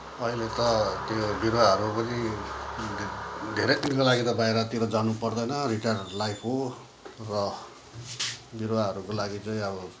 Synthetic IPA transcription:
ʌilet̪ʌt̪jobiɾwaɦʌɾupʌni | d̪ʱeɾet̪inkolaɡit̪ʌbaeɾʌt̪iɾod͡zanupʌrd̪ʌjnʌriʈarlajpʰɦo | rʌ | biɾwaɦʌɾukolaɡit͡sʌĩʌbʌ

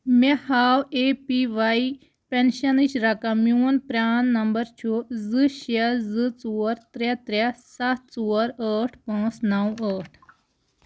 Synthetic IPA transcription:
mehawepiʋai | pɛ̃nɕɐniɕɾakãmunpɾʲanːɐmbəɾt͡ɕʰuzɨɕezɨt͡suəɾt̪ɾat̪ɾasat̪t͡suɾəʈʰpãt͡snawəʈʰ

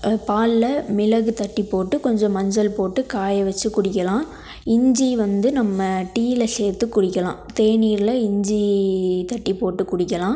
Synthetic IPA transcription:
paːllɐmɪlɐɣɯt̪ɐʈːipːoːʈːɯkɔɲd͡ʒɔ̃mɐɲd͡ʒɐlpoːʈːɯkaːjɐʋɐt͡ʃːɯkʊɽɪk̬ːɐlãː | ɪɲd͡ʒiʋɐnd̪ɯnɐmːɐʈiːlɐseːɾt̪ɯkːʊɽɪkːɐlã̰ːt̪eːniːɾlɐɪɲd͡ʒit̪ɐʈːipoːʈːɯkʊɽɪkːɐlãː

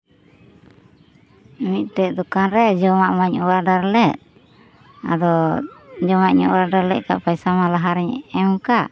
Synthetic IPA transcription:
miˀt̪ɛd̪ɔkanɾɛd͡ʒɔmaʔmaɲɔwaɖaɾlɛʔ̚ | a̰d̪ɔ | d͡ʒɔmaʔɲɔ̰ʔwaɖaɾlɛʔ̚ka̰ʔpajsamalaɦaɾɛɲɛɛmukaʔ

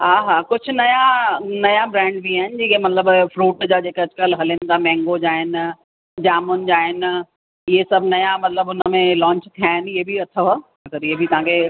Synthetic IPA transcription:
ɦaːɦaːkʊd͡ʑʱʊ̆nɐjanɐjabɾɛ̃ːɳɖbiaːɦɪnɪd͡ʑiːkemɐt̪ləbfɾuːʈd͡ʑaːd͡ʑeːkɐd͡ʑkəlɦɐlɪnd̪amɛ̃ːŋɡod͡ʑaːɦɪn | d͡ʑaːmʊnd͡ʑaːɦɪn | ɪɦesɐbʱnɐjamɐt̪ləbʊnəmẽlɔ̃ːɲt͡ɕt̪ʰijaːɦɪniɦebʱiɐt̪ʰəɦa | ɐɡəɾiebʱit̪ɐɦãkʰe

